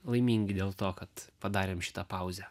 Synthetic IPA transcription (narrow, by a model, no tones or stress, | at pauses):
lˠɐɪmʲiːŋʲɡʲɪd̪ʲeːlˠt̪oːkɐt̪pɐd̪ɑːɾʲeːmʃʲɪ̥t̪ɐpɐʊzʲɛ